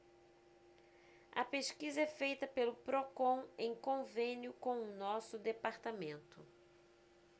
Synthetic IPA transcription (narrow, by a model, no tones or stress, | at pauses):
ɐ̰peʃkizɐɛfejt̪ɐpelʊpɾokõẽj̃kõvẽnjʊkõw̃ʊnɔsʊd̪epaɾt̪amẽnt̪ʊ